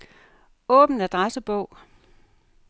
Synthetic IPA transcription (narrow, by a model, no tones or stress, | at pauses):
ɔ̽ːb̥n̩æd̥ʁasəb̥ɔʊ̰